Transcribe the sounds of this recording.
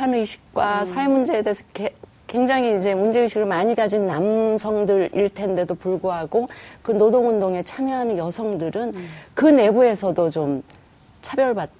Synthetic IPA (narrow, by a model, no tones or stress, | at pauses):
anɯiɕʰi̥k̚k͈wasʰaemund͡ʑe̞ede̞esʰʌke | kwe̞ŋd͡ʑaŋiːd͡ʑe̞mund͡ʑe̞ɯɕʰiɡɯɭmaɲiɡad͡ʑinːamsʰʌŋdɯɾḭɭtʰe̞nde̞dopuɭɡoɦaɡokɯnodoŋundoŋe̞t͡ɕʰamjʌɦanɯnjʌsʰʌŋdɯɾɯnkɯne̞bue̞sʰʌdot͡ɕom | t͡ɕʰabjʌɭbat̚